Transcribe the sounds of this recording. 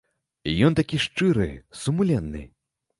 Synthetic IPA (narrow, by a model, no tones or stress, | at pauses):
ijɔnt̪akʲiʂt͡ʂɨɾɨ̰sumulʲɛnːɨ̰